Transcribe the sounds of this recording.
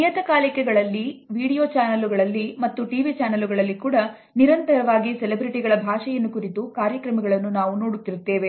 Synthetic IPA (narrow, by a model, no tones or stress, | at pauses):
ijɐt̪ɐkaːlikɛɡɐɭɐlːiʋiːɽijoːt͡ʃaːnɐluɡɐɭɐlːimɐt̪ːuʈiʋit͡ʃaːnɐluɡɐɭɐlːikuːɽɐ | niɾɐnt̪ɐɾɐʋaːɡisɛlebɾiʈiɡɐɭɐbʱaːʂɛjɐnːukuɾit̪ukaːɾjɐkɾɐmɐɡɐɭɐnːunaːʋuno̞ːɽut̪ːiɾut̪ːe̞ːʋe̞